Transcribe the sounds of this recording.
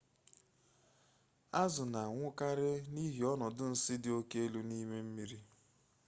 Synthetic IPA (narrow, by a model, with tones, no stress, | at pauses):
a˦zʊ˨na˨ŋʷʊ˦ka˦ɾɪ˦ni˦ɦi˨ɔ˦nɔ˨dʊ˦n̩˦sɪ˦dɪ˨˦o˦ke˦e˦lu˦ni˦me˦m̩˦mi˦ɾi˦